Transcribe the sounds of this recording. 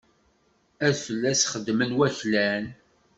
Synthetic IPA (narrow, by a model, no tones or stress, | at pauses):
æðfəlːæsχəd̪ːmənwæθlæn